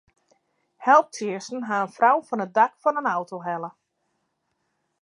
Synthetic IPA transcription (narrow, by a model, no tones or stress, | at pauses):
hɛlˠp̚tʰiəsn̩ɦaənfrawfɔnət̚dakfɔnənawtʰoɦɛlˠə